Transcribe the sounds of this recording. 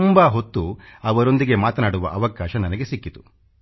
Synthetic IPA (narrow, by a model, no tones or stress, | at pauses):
mbaɦot̪ːuɐʋɐɾo̞nd̪iɡe̞maːt̪ɐnaːɽuʋɐ̰ʔɐʋɐkaːʃɐnɐnɐɡe̞sikːit̪u̥